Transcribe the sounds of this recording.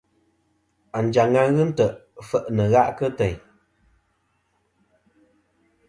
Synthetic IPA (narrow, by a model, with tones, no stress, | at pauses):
a˨n̩˨d͡ʒa˨ŋa˦ɣɨ˦n̩˦tə˨ʔfə˨ʔnə˨ɣa˦ʔkə˦tɛ˨ɲ